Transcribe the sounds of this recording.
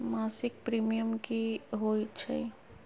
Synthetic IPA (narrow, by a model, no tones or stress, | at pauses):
maːsɪk̚pɾiːmijəmkiɦoːit͡ʃʰə̰i